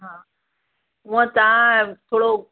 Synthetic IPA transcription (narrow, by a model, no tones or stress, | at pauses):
ɦãː | ʊ̃ə̃t̪aãt̪ʰoːɽo